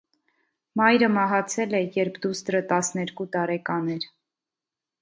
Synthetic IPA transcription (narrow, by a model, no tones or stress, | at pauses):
mɑjɾəmɑɦɑt͡sʰɛlɛjɛɾpʰd̪ust̪ɾət̪ɑsnɛɾkut̪ɑɾɛkɑnɛɾ